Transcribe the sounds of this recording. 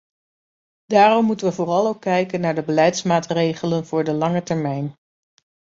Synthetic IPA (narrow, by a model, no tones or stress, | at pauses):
d̥aːrɔmːutənʋəvʊːrɑlˠowkːɛjkənːaːɹdəbəlɛjtsmaːtrejχələnv̥ʊːɹdəlɑŋətɛɹmɛjn